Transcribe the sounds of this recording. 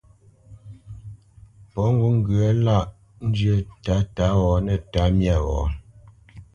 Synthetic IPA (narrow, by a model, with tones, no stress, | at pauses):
pɔ˨˦ŋ̩˦ɡu˦ŋ̩˦ɡɰə˨˦la˦˨ʔ | n̩˦d͡ʒɥə˦ta˨˦ta˨˦ɣɔ˨˦nɛ˨ta˨˦mja˦˨ɣɔ̰˨˦